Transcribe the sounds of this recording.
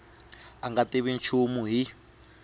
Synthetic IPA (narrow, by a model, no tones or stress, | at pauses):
aŋɡatiβint͡ʃʰumuɦi